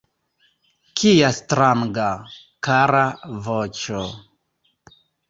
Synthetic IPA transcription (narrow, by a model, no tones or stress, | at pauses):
kʰijastɾaŋɡa | kaɾavot͡ʃo